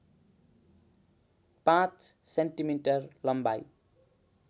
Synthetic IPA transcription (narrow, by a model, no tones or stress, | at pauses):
pãt͡ssenʈimiʈʌrlʌmba̰j